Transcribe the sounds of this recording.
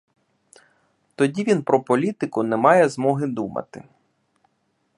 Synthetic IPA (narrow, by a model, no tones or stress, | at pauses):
t̪ɔdʲiʋʲinpɾɔpɔlʲit̪ɪkʊnɛmɑjɛzmɔɦɪd̪umɐ̰t̪ɪ̰